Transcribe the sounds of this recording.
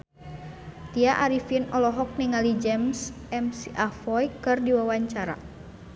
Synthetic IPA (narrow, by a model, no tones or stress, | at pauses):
t̪iaʔaɾifinɔlɔɦɔk̚niŋalid͡ʒɛms | ɛmsiʔafɔjkɨrdiwawaɲt͡ʃaɾa̰